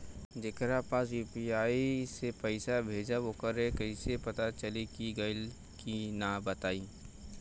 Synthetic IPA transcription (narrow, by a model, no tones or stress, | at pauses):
d͡ʒɪkɾapaːs̬juːpiaːisepɛɪsabʱeːd͡ʒaʋokəɾekɐɪsepɐt̪at͡ʃɐlikiɡɐl | kinabət̪aːiː